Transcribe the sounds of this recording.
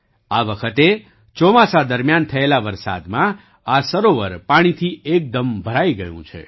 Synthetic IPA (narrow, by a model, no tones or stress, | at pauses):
aʋəkʰət̪e | t͡ʃɔmasad̪əɾmjant̪ʰəelaʋəɾsa̰d̪mã | asəɾoʋəɾpaɽ̃it̪ʰiek̚d̪əmbʱəɾaiɡəjṵ̃t͡ʃʰḛ